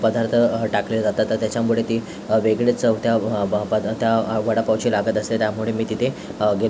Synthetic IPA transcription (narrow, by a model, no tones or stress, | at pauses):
pəd̪aɾt̪ʰəʈaklelad͡zat̪at̪ːəːjat͡ɕamuɭet̪iː | ʋeɡɭet͡səʋt̪japət̪jaʋəɽapawt͡ɕilaɡət̪əslet̪jamuɭemiːt̪it̪ʰeɡe